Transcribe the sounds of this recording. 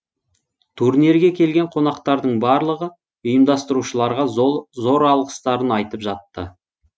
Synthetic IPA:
t̪ʰuɾniɾɡʲe̞kʲʰe̞lɡʲeɴqʰo̞nɑqt̪ɑɾd̪əɴbɑɾlˠəʁə | ʊjəmd̪ɑst̪əɾuʃəlˠɑɾʁɑzo̞ɾɑlˠʁəst̪ɑɾənɑjt̪əpʒɑt̪ːə̰

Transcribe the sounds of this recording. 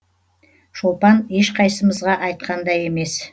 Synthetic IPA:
ʃolˠpɑneʃqʰɑjsəməzʁɑʔɑjt̪̚qʰɑnd̪ɑje̞me̞s

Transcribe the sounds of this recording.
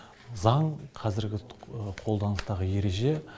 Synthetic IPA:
zɑɴqʰɑzɪɾɡʲɪqʰo̞lˠd̪ɑnəst̪ɑʁəje̞ɾe̞ʒe̞

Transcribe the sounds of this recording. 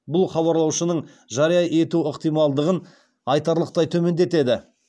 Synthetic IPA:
bʊlˠχɑβɑɾlˠɑwʃənəɴ | ʒɑɾijɑʔe̞t̪uəqt̪ijmɑlˠd̪əʁən | ɑjt̪ɑɾlˠəq̚t̪ɑjt̪ʰɵme̞nd̪e̞t̪e̞d̪ɪ

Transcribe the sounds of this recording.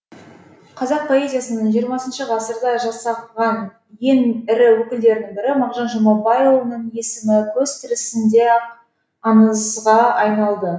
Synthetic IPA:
qʰɑzɑq̚pʰo̞e̞zʲijasənəɴʒijəɾmɑsənʃəʁɑsəɾd̪ɑʒɑsɑʁɑn | je̞nɪɾɪwɵkʲɪld̪e̞ɾɪnɪŋbɪɾɪmɑʁʒɑnʒomɑbɑjewnəɴje̞sɪmɪkʲʰɵzt̪ʰɪɾɪsɪnd̪e̞ | ɑnəzʁɑɑjnɑlˠd̪ə

